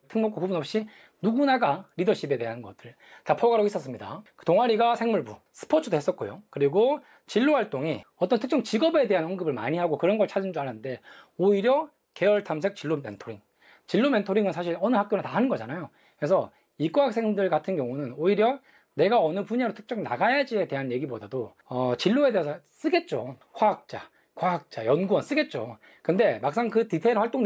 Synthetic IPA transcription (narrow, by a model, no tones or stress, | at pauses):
tʰɯŋmok͈ʰokubunʌp̚ɕ͈i | nuɡunaɡaɾidʌɕʰibe̞de̞ɦanɡʌ̰t͈ɯɭ | tapʰoɡaɾois͈ʌs͈ɯmɲida̰̥toŋaɾiɡasʰe̞ŋmuɭbusʰɯ̥pʰot͡ɕʰɯdoɦe̞s͈ʌt̚k͈ojo̰kɯɾiɡo | t͡ɕiɭːoɦaɭt͈oŋiʌt͈ʌntʰɯkt͡ɕ͈ʰʌŋt͡ɕiɡʌbe̞de̞ɦanoŋɡɯbɯɭma̰ɲiɦaɡokɯɾʌnɡʌɭt͡ɕʰad͡ʑind͡ʑuaɭannde̞oiɾjʌ | ke̞ʌɭtʰams̬ʰe̞k̚t͡ɕiɭːome̞̰ntʰoɾiŋ | t͡ɕiɭːome̞ntʰoɾiŋɯnsʰaɕ̬ʰiɾʌnɯɦak͈̚jonɯntaɦanɯnɡʌd͡ʑanajo | kɾesʰʌ | ik͈oɦak̚s͈ʰeŋdɯɭɡatʰɯnɡjʌŋunɯnoiɾjʌ | ne̞ɡaʌnɯpuɲaɾotʰɯ̥k̚t͡ɕ͈ʌŋna̰ɡajad͡ʑie̞de̞ɦanje̞ɡibodado | ʌt͡ɕiɭːoe̞de̞esʰʌs͈ɯɡe̞t̚t͡ɕ͈o̰ | ɸwaɦak̚t͡ɕ͈a̰ | kwaɦak̚t͡ɕ͈a̰jʌnɡuʌns͈ɯɡe̞t̚t͡ɕ͈o̰ | kɯnde̞mak̚s͈aŋkɯtitʰenwaɭt͈oŋ